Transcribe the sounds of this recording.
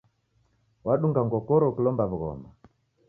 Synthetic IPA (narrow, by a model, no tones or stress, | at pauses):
waɗuŋɡaŋɡɔkɔɾɔkulɔmbavuɣɔ̰mba